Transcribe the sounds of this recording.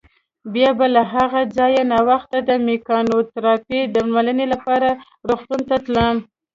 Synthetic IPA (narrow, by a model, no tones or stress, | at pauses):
bjɑbalaɦaɣad͡zɑjanɑwaxt̪ad̪əmekɑnot̪ɾɑped̪əmmalənelapɑɾa | ɾoxt̪unt̪at̪ləm